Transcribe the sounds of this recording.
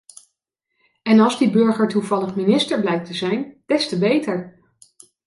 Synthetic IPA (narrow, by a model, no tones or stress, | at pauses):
ɛnɑlˠzdibɵɹχəɹtuvɑləχminɪstəɹblɛjk̚təzɛjnd̥ɛstəbejtəɹ